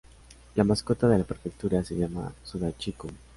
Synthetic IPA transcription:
lamaskot̪aðe̞lapeɾfek̚t̪uɾaseʝama̰suðat͡ʃikum

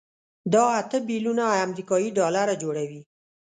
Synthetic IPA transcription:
d̪ɑat̪əbilunaːmɾikɑjiɖɑlaɾad͡ʒoɽawi

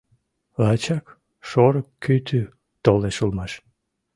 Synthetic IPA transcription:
ɑt͡ɕɑk | ʃoɾəkːyt̪ʰy | t̪oleʃulmɑʃ

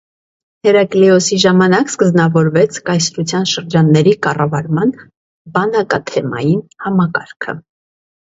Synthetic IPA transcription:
hɛɾɑkliɔsiʒɑmɑnɑkskəznɑvɔɾvɛt͡sʰkɑjsɾut͡sʰjɑnʃəɾd͡ʒɑnːɛɾikɑrɑvɑɾmɑn | bɑnɑkɑ̰t̪ʰɛmɑ̰jinhɑmɑkɑɾkʰə̰

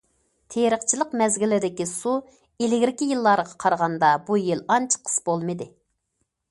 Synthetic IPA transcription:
t̪ʰeɾəχt͡ʃʰilˠəqmɛzɡʲilːɪd̪ɪkʲisu | ilɪɡʲɾɪkʲijilˠːɑɾəʁɑqʰɑɾʁɑnd̪ɑbujilˠɑnt͡ʃʰqʰə̥sbolˠmɨd̪ɪ

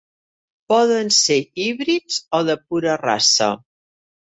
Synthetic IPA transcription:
pɔðənseiβɾizoðəp̚uɾəra̰sə̰

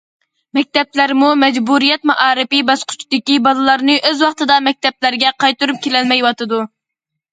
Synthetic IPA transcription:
mɛk̚ʲt̪ɛplæɾmumɛd͡ʒbuɾijɛt̪̚mɑʔɑːɾɨpibɑsqʰʊ̥t͡ʃʰd̪ɪkʲibɑlˠɨlˠɑɾnɨʔøzwɑχt̪ɨd̪ɑmɛk̚ʲt̪ɛp̚læɾɡʲɛqʰɑjt̪uɾup̚kʲʰelɛlmɛjwɑt̪ɨd̪u

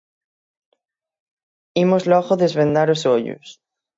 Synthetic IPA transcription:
imozloɣoðezβẽnd̪aɾosoʎṵs

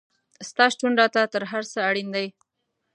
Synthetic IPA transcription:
st̪ɑʃʈuɳɖɑt̪at̪əɾɦaɾsəaɽind̪aj

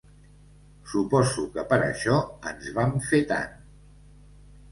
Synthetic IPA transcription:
supɔzukəpəɾə̰ʃɔənzβamfet̪a̰n

